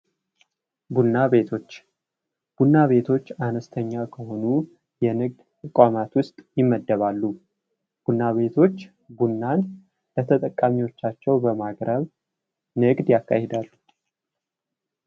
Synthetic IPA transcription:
bunːaβe̞t̪ʰo̞t͡ʃː | b̥unːaβe̞t̪ʰo̞t͡ʃːanəst̪ʰəɲːakʰəho̞nu | jɛnɨɡ̚d̪t̪ʼɨkʼamat̪wʊst̪ʼjɪmːəd̪ːəβalːu | b̥unːaβe̞t̪ʰo̞t͡ʃː | bunːan | lət̪ʰət̪ʼəkʼːamiwo̞t͡ʃːat͡ʃːɛwbəmaɡɾʔəβ | nɨɡd̪jakːa̰hed̪alːu

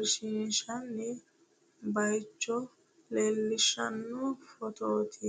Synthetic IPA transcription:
ɾʃiʃanːi | bajt͡ʃːo | lelːiʃa̰nːofɔt̪ot̪ʰi

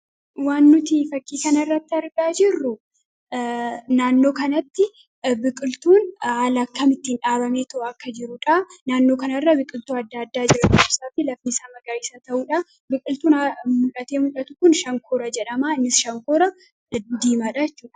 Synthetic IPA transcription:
waːnːʊt̪iːfɐkːiːkɐnɐɪrːɐt̪ːɪɐɾɡaːd͡ʒɪrːʊ | naːnːo̞ːkɐnɐt̪ːɪ | bɪkʼɪlt̪uːnhaːlɐːkːɐmɪt̪ːiːnᶑaːbɐmeːt̪ɐʔɐkːɐd͡ʒɪɾʊᶑanaːnːo̞ːkɐnɐrːɐbɪkʼɪlt̪uːɐd̪ːɐɐd̪ːaːd͡ʒɪɾɐkʊɪsaːt̪ɪlɐfnisaːmɐɡɐɾiːsɐt̪ɐʔuːᶑɐ | bɪkʼɪlt̪uːnmʊlʔɐt̪e̞ːmʊlʔɐt̪ʊkʊnʃɐŋkʰoːɾɐd͡ʒɛᶑɐmaːɪnːɪsʃɐŋkoːɾɐ | d̪iːmaːᶑaɛt͡ʃːuːᶑɐ̥

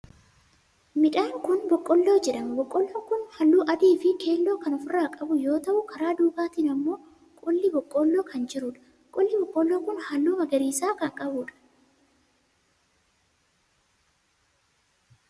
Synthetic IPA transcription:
mɪᶑaːŋkʊnbɔkʼːɔlːo̞ːd͡ʒɛᶑɐmbɔkʼːɔlːoːkʊnhɐlːuːʔɐd̪iːfɪkʰe̞ːlːo̞ːkɐnɔfʊɾaːkʼɐbʊjo̞ːt̪ɐʔʊkɐɾaːd̪uːɡaːt̪iːnɐmːo̞ː | kʼʊlːɪbɔkʼːɔlːo̞ːkɐnd͡ʒɪɾʊᶑɐ̥ | kʼɔlːɪbɔkʼːɔlːoːkʊnhɐlːuːmɐɡɐɾiːsaːkɐŋkʼɐbʊᶑɐ̥

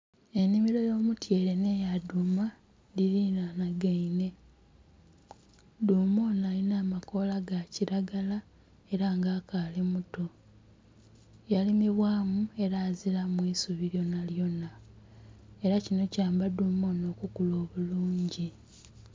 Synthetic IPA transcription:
e̞nimiɾo̞jo̞ːmutje̞ːɾe̞ne̞jaduma | diɾinanaɡaine̞ | duːmo̞ːnalinaːmako̞laɡaciɾaɡala | e̞ɾaŋɡaːkaːlimuto̞ | jalimiβwaːmue̞ɾaːziɾamwiːsuβiɾjo̞naljo̞nːa | e̞ɾacino̞caːmbaduːmo̞ːno̞ːkukulo̞ːβuluːɲɟi

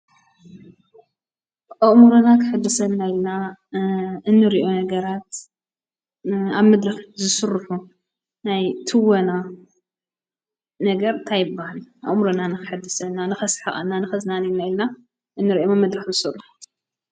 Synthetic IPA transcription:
ʔɐʔmuɾunakʰɨħɨd̪ːɐsɐnnːajilna | ɨnːɨɾiʔo̞nɐɡɐɾat̪ | aβmɐd̪ɾɨxzɨsɨrħu | najt̪ʰɨwɐna | nɐɡɐɾt̪ʰajɪbːahaliʔɐ̰ʔʼmɾunanɨkʰɨ̥ħɨd̪ːɐsɐnːanɨxɐsħa̰ʔʼɐnːanɨxɐznaninajlna | ʔɨnːɨɾiʔomamɐd̪ɾɨxzɨsɨrːʊħu̥

